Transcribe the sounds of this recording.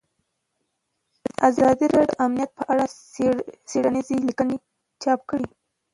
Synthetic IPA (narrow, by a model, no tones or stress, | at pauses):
ʔazɑd̪iɾɑɖamnijat̪̚pəʔaɽa | seɽanizilikəne | t͡ʃɑp̚kɽi